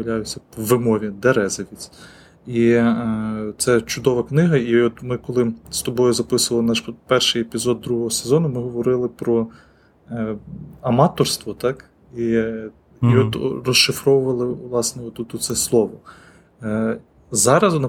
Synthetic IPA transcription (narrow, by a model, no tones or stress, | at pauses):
lʲajʊt͡sʲːɐpɔʋːɪmɔʋʲid̪eɾɛzɐʋʲit͡sʲ | i | t̪sɛt͡ʃʊd̪ɔʋɐknɪɦɐiɔt̪mɪkɔlˠɪst̪ɔbɔjʊzɐpɪsʊʋɐlˠnɑʃpɛrʃɪjepʲizɔd̪ːɾuɦɔɦɔsezɔnʊmɪɦɔʋɔɾɪlˠɪpɾɔ | ɐmɑt̪ɔrst̪ʋɔt̪ɑk | i | iɔt̪rɔʃʃɪfɾɔʋʊʋɐlˠɪʋlˠɑsnɛɔt̪ut̪ʊsɛslˠɔʋɔ | zɑɾɐznɐ